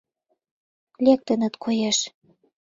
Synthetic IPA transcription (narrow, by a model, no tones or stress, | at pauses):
lʲek̚t̪ə̆nə̆t̪kʰojeʃ